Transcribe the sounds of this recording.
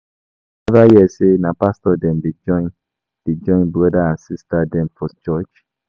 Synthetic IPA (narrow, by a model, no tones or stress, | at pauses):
ɛvajɛsenãpastɔdɛ̃nded͡ʒɔ̃ɪ̃n | d̥ed͡ʒɔ̃j̃nbɔdaãnsistadɛ̃nfɔst͡ʃɔt͡ʃ